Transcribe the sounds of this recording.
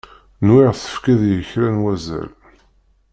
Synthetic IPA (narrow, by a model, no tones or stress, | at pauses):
nwɪʁθə̥fkiðjəçɾænwæzæ̰l